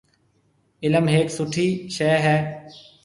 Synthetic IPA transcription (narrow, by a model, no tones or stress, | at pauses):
ɪləmɦeːksʊʈʰiːʃeːɦɛː